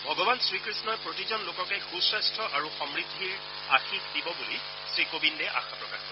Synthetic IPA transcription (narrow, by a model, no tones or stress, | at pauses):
bʱɔɡɔbansɹikɹisnɔjpɹotizɔnlokɔkɛxusastʰɔʔaɹuxɔmɹidʱːiɹ | axitdibɔbuli | sɹikobindɛʔa̰xapɹɔkaxɔ